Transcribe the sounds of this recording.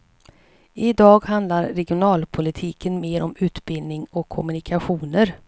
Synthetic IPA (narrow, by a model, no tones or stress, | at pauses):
ɪd̪ɑːɡɦand̪laɾːɛɡɪʊnɑːlpʰʊlɪt̪ʰiːkənmeːɾɔmʉ̟ːt̪bɪld̪nɪŋɔkʰːɔmɵnɪkʰaɧuːnəɾ